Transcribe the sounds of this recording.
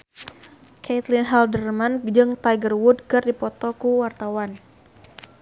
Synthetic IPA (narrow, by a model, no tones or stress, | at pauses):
kʰɛt̪linɦaldərmand͡ʒɨŋt̪ajɡərwudkɨrdipɔt̪ɔkuwart̪awan